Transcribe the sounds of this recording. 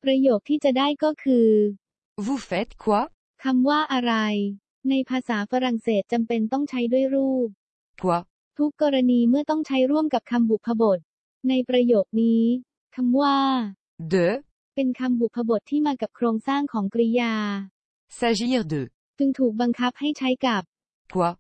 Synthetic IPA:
pɾa˧joː˨˩k̚t̪ʰiː˥˩t͡ɕa˨˩daː˥˩jkɔː˥˩kʰɯː˧ | vu˧˩fe˦t̪̚kʰwa˧˥ | kʰa˧mwaː˥˩ʔa˧ɾa˧j | na˧jpʰaː˧saː˩˦fa˧ɾa˨˩ŋseː˨˩t̪̚t͡ɕa˧mpe˧nt̪ɔ˥˩ŋt͡ɕʰa˦˥jdu˥˩əjɾuː˥˩p̚ | kʰwa˧˦˥ | t̪ʰu˦˥kːɔː˧ɾa˧niː˧mɯ˥˩ɐt̪ɔ˥˩ŋt͡ɕʰa˦˥jɾu˥˩əmka˨˩p̚kʰa˧mbu˨˩k̚pʰːa˧bo˨˩t̪̚ | na˧jpɾa˧joː˨˩k̚niː˦˥ | kʰa˧mwaː˥˩ | d̪ø˨˧˩ | pe˧nkʰa˧mbu˨˩k̚pʰːa˧bo˨˩t̪ʰːiː˥˩maː˧ka˨˩p̚kʰɾoː˧ŋsaː˥˩ŋkʰɔː˩˦ŋkɾi˦˥jaː˧ | sa˧zi˥˩d̪ø˨˩ | t͡ɕɯ˧ŋt̪ʰuː˨˩k̚ba˧ŋkʰa˦˥p̚ha˥˩jt͡ɕʰa˦˥jka˨˩p̚ | kʰwa˧˩

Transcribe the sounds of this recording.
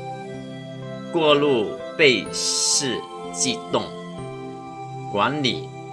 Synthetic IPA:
kwɔ˥˧lu˥˧ | pe˥˧ɪʂɻ̩˥˧ | t͡ɕi˥˧t̪ʊ˥˩ŋ | kwa˧˥nlḭ˨˩˦

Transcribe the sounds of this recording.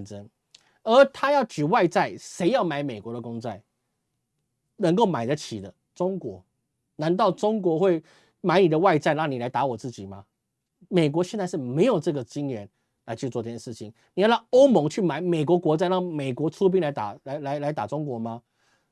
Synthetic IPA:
nʈ͡ʂə˥n | ə˞˨˧˥t̪ʰa˥jɑ˥˩ʊt͡ɕy˨˩wa˥˧ɪt͡sa˥˩ɪʂe˧˥ɪjɑ˥˩ʊma˧˥ɪme˨˩ɪkwɔ˧˥d̪ə˧kʊ˥ŋt͡sa˥˩ɪ | nə˧˥ŋk̬o˥˩ʊma˨˩ɪd̪ə˦t͡ɕʰi˨˩d̪ə˦ | ʈ͡ʂʊ˥ŋkwɔ˧˥ | na˧˥nt̪ɑ˥˩ʊʈ͡ʂʊ˥ŋkwɔ˧˥xwe˥˩ɪ | ma˧˥ɪni˨˩d̪ə˦wa˥˧ɪt͡sa˥˧ɪɻɑ˥˩ŋni˨˩la˧˦ɪt̪a˧˥˦wɔ˨˩t͡sɹ̩˥˩t͡ɕi˨˩ma˦ | me˨˩ɪk̬wɔ˧˥ɕjɛ˥˧nt͡sa˥˧ʂɻ̩˥˩me˧˥ɪjo˨˩ʊʈ͡ʂɤ˥˩ɡə˩t͡ɕi˦˥njɥɛ˧˥n | la˧˥t͡ɕʰy˥˧t͡swɔ˥˧ɤ˥˩t͡ɕjɛ˥˩ʂ̩˥˩t͡ɕʰḭ˨˩˦nni˨jlɑ˥˩ŋo˥ʊmo˧˥ŋt͡ɕʰy˥˩ma˧˥ɪme˨˩ɪkwɔ˧˥kwɔ˧˥t͡sa˥˧ɪɻɑ˥˩ŋme˨˩ɪkwɔ˧˥t͡sʰu˥p̬i˥ŋla˧˥ɪt̪a̰˨˩la˧ɪla˧˥ɪla˧˥ɪt̪a̰˨˩ʈ͡ʂʊ˥ŋkwɔ˧˥ma˧

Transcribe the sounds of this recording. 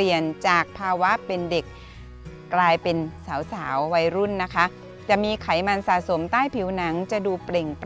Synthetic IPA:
i˨˩ənt͡ɕaː˨˩k̚pʰaː˧wa˦˥ʔpe˧nde˨˩k̚ː | laː˧jpe˧nsaː˩˦wsaː˩˦wːa˧jɾu˥˩nːa˦˥kʰa˦˥ʔ | t͡ɕa˨˩miː˧kʰa˩˦jma˧nsaː˨˩so˩˦mt̪aː˥˩jpʰi˨˩˦wna˩˦ŋt͡ɕa˨˩duː˧ple˨˩ŋp

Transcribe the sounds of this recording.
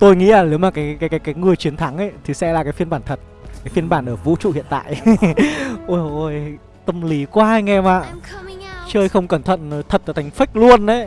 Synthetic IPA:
t̪o˧jŋḭ˧˥laː˨˩ne˨˦wmaː˨˩kaː˨˦jkaː˨˦kaː˨˦jkaː˨˦jŋɨ˨˩əjt͡ɕi˨˦ənt̪ʰa˨˦ŋʔə˨˦jt̪ʰi˨˩sɛ̰˧˥laː˨˩kaː˨˦fi˧ənɓaː˧˩nt̪ʰə˨˩t̚ | kaː˨˦jfi˧ənɓaː˧˩nʔəː˧˩vṵ˧˥t͡ɕṵ˧˨hḭ˧˨ənt̪a̰ː˧˨jʔ | ʔo˧˩jʔo˧˩j | t̪ə˧mli˨˦kwaː˧ʔa˧jŋ̟ʔɛ˧maː˨˩ | t͡ɕəː˧jxə˧wŋ͡mkə˧˩nt̪ʰə̰˧˨n˨˦t̪ʰə˨˩t̚laː˨˩t̪ʰjŋ̟fa˦˥k̟̚lu˧ənʔə˨˦j

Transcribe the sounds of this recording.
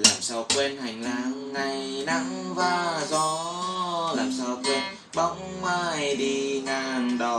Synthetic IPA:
laː˨˩msaː˧wkwe˧nha˨˩jŋ̟laː˨˦ŋːa˨˩jna˧˥ŋvaː˨˩zɔ˨˧˦ | laː˨˩msaː˧wkwe˧n | ɓa˧˦wŋ͡m | maː˧˩˧jɗi˧ŋaː˨˩nɗə˨˩

